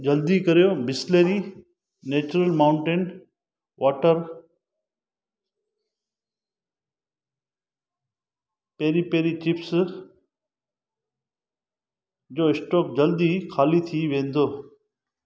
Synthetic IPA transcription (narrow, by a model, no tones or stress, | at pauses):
d͡ʑɐld̪ikəɾijobɪsleːɾi | neːt͡ɕʊɾəlmaːʊ̃ɳʈen | ʋʔaːʈəɾ | peːɾipeːɾit͡ɕɪps | d͡ʑoːɪsʈoːk̚d͡ʑəld̪ikʰaːlit̪ʰiʋẽːnd̪oː